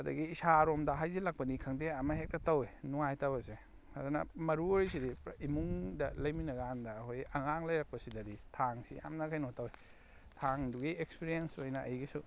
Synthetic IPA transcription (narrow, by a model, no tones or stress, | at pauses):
ɐdɐ̰ɡiːsaɾomdɐɦajzilak̚pɐnikʰɐŋdeɐmɐɦek̚tatawenuŋajtawɐse | ɐdunɐ̰mɐɾuoɾjsidiimuŋdɐ̰lɐjminɐɡaandɐːhojɐŋaŋlɐjɾak̚pɐsidɐɾitʰaŋsḭa̰mnɐkʰajnotawe | tʰaŋduɡiekspiɾiensojnɐʔɐjɡisu